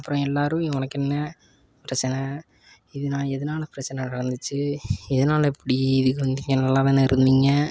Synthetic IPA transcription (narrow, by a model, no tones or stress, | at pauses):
ɐpːɯɾõɛlːaːɾɯ̃ʋɔnɐkːɛnːɐ | pɪɾɐt͡ʃːɐnɐ | ɪðɯnãːɛðɐnaːlɐpɪɾɐt͡ʃːɐnɐnɪɾɐnd̪ɯt͡ʃːɯɪðɐnaːlɐɛpːɐɽiɪðɯkːɯʋɐnd̪iːŋɡɐnɐlːaːʋɐnːɯɪɾɯnd̪iːŋɡɐ